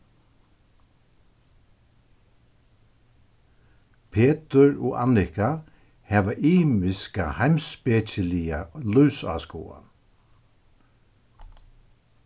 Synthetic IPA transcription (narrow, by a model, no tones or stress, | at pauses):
pʰeːt̪əɹɔ̰ːʔa̰nɪka | hɛːʋaʔiːmɪskahaɪmspeːt͡ʃɪlialœːsa̰ːskṵːa̰